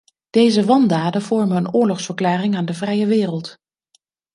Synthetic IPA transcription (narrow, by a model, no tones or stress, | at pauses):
d̥ejzəʋɑndaːdəv̥ɔɹmənənʊːɹlɔχsfəɹklaːrɪŋaːndəvrɛjəʋɪːrəlˠt